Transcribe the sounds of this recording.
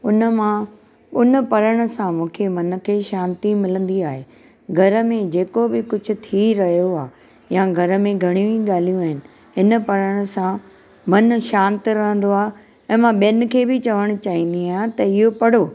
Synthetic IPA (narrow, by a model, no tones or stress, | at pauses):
ʊnəmã | ʊnəpɐɾəɽ̃ʊ̆sãmũːkʰemɐn̆kʰeːʃãːnt̪imɪlə̃nd̪iaːɦeː | ɡʱɐɾə̆mẽd͡ʑeːkobɪkʊd͡ʑʱʊ̆t̪ʰiɾɐɦijoaː | jãɡʱɐɾə̆mẽɡʱɐɽ̃ijũĩɠaːl̤ijũaːɦɪnɪ̆ | ɦɪnə̆pɐɾəɽ̃ʊ̆sã | mɐnʃãːnt̪ɪɾɐɦə̃n̆d̪oaːɦ | ɛ̃ːmãɓijənɪ̆kʰeːbɪt͡ɕɐʋəɽ̃ʊ̆t͡ɕaːɦĩn̆d̪iat̪ɐɪɦopɐɽ̤oː